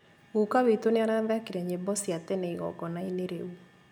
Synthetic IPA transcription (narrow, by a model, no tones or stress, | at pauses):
ukawit̪onɪaɾaðakiɾeɲebɔsjat̪ɛnɛiɣɔ̰ɡɔnaineɾeu